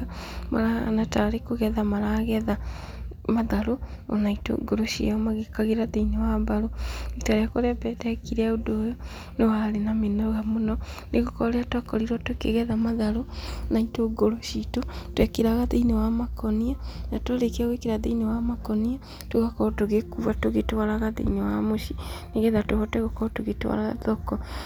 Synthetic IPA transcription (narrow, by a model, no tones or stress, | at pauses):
maɾanataɾekoɣɛðamaɾaɣɛða | maðaɾoo̰naito̰ɡoɾoʃḭaɔmaɣekaɣeɾaðeinewabaɾoetaɾeakɔɾeabɛdɛkiɾɛodoːjo | newaɾenamenaɾoɣamonɔneɣokɔɾeatwakɔɾiɾɔtwokeɣɛðamaðaɾonaitoɡoɾoʃitotwɛkeɾaɣaðeinewamakɔnianatwaɾekeaɣwekeɾaðeinewamakɔnia | toɣakɔtoɣekuβatoɣetwaɾaɣaðḛinewamoʃineɣɛðatoβɔtwɛɣakɔtoɣetwa̰ɾaɣa̰ðɔkɔ